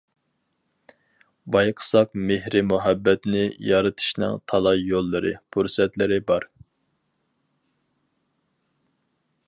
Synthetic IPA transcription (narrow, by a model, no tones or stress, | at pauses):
bɑjqʰə̥sɑq̚mehɾɪmuɦɛbːɛt̪nɪjɑɾɨt̪ʰɨ̥ʃnɨ̰ŋt̪ʰɑlˠɑjjolˠːɨɾɨ̰pʰuɾsɛt̪lɪɾɪbɑɾ